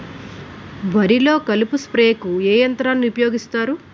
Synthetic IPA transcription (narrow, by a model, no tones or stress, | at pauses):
ʋɐɾilo̞ːkɐlupuspɾeːkueːjɐnt̪ɾaːnːiupɐjo̞ːɡist̪aːɾu